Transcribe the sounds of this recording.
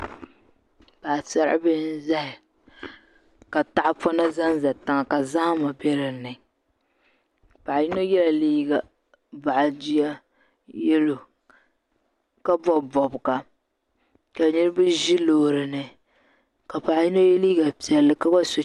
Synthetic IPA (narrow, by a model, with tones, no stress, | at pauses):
pa˨sa˦ɾ̰bɨ˦n˦za˦hɪ˨ | ka˨ta˨ʔa˦pɔ˦na˦za˦nza˨ta˨ŋa˨ka˨za˦ma˨bɛ˦ɾɨ˨nɨ˨ | pa˨ji˦no˦jɛ˦la˨liː˦ɡa˨ | ba˨ʔa˨di˦a˦ | jɛ˦lo˨ | ka˦bɔ˦bɔ˨bka˨ | ka˨ni˦ɾɨ˦bɨ˦ʒi˦loː˨ɾɨ˨nɨ˨ | ka˨pa˨ji˦no˦jɛ˦liː˦ɡa˨pi˨ɛ˨lːɨ˦ka˦ba˦so˨